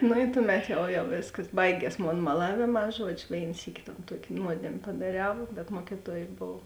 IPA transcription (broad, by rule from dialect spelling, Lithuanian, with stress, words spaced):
nʊ ɪ ˈtʊˌmʲɛt ˈjɛʊ jɛʊ ˈʋʲeːskɐs ˈbɐɪɡʲiɛs ˈmoːn mɐˈlˠɑːʋʲeːˌmɑː ˈʒuɔd͡ʒʲʊ ˈʋʲeːɪn ˈsʲiːkʲɪ toːn ˈtuɔkʲ ˈnuɔdʲeːmʲ pɐdɐˈrʲɛʊ bʲɛt ˈmuɔkʲɪtuɔj ˈboːw